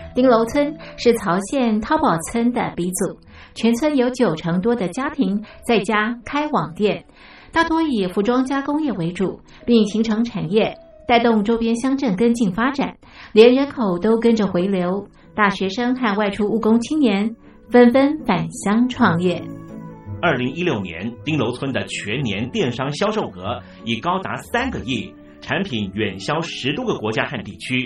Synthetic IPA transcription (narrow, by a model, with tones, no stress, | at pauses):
t̪i˥ŋlo˧˥ʊt͡sʰwə˥nʂɻ̩˥˩t͡sʰɑ˧˥ʊɕjɛ˥˩nt̪ʰɑ˥ʊpɑ˨˩ʊt͡sʰwə˥nd̪ə˨pi˧˥t͡su˨˩˦ | t͡ɕʰɥɛ˧˥nt͡sʰwə˥njo˧˥ʊt͡ɕjo˨˩ʊʈ͡ʂʰɤ˧˥ŋt̪wɔ˥d̪ə˨t͡ɕja˥t̪ʰi˧˥ŋt͡sa˥˩ɪt͡ɕja˥kʰa˥ɪwɑ˨˩ŋt̪jɛ˥˩n | t̪a˥˩t̪ʰwɔ˥i˨˩fu˧˥ʈ͡ʂwɑ˥ŋt͡ɕja˥kʊ˥ŋjɛ˥˩we˧˥ɪʈ͡ʂu˨˩˦ | pi˥˩ŋɕi˧˥ŋʈ͡ʂʰɤ˧˥ŋʈ͡ʂʰa˨˩njɛ˥˩ | t̪a˥˧ɪt̪ʊ˥˩ŋʈ͡ʂo˥ʊpjɛ˥nɕjɑ˥ŋʈ͡ʂə˥˩ŋkə˥nt͡ɕi˥˩ŋfa˥ʈ͡ʂa̰˨˩˦n | ljɛ˧˥nɻə˧˥nkʰo˨˩ʊt̪o˥ʊkə˥nʈ͡ʂə˨xwe˧˥ɪljo˧˥ʊ | t̪a˥˩ɕɥɛ˧˥ʂɤ˥ŋxa˥˧nwa˥˩ɪʈ͡ʂʰu˥u˥˩kʊ˥ŋt͡ɕʰi˥ŋnjɛ˧˥n | fə˥nfə˥nfa˨˩nɕjɑ˥ŋʈ͡ʂʰwɑ˥˧ŋjɛ˥˩ | ɐ˞˥˩li˧˥ŋi˥ljo˥˩ʊnjɛ̰˧˥nt̪i˥ŋlo˧˥ʊt͡sʰwə˥nd̪ə˨t͡ɕʰɥɛ˧˥nnjɛ˧˥nt̪jɛ˥˩nʂɑ˥ŋɕjɑ˥ʊʂo˥˩ʊkɤ˧˥ | i˨˩kɑ˥ʊt̪a̰˧˥sa˥nɡə˨jɛ˥˩ | ʈ͡ʂʰa˧˥npʰi˨˥nɥɛ˨˩nɕjɑ˥ʊʂɻ̩˧˥t̪wɡə˨kwɔ˧˥t͡ɕja˥xa˥˧nt̪i˥˩t͡ɕʰy˥